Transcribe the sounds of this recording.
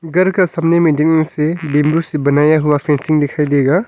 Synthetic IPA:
ɡɐɾkɐsɐmnementeniŋsebimbusibɐnajaɦubapʰensiŋdikʰajdeɡɐ

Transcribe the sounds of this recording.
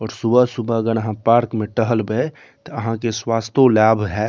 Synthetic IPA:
ɔːɾsubʱəsubaəɡəñəɦãpaːɾkmẽʈəɦəlbe | t̪əəɦãkeswast̪olaːbʱɦɛ

